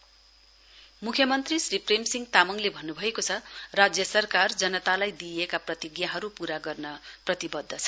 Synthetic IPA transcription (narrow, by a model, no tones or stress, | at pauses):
mukʰjʌmʌnt̪risripremsiŋɡt̪amʌŋlebʱʌnːubʱʌekot͡sʰʌrad͡zjʌsʌrkard͡zʌnʌt̪alajd̪iekaprʌt̪iɡjaɦʌɾupuɾaɡʌrnʌprʌt̪ibʌd̪ʱːʌt͡sʰʌ̥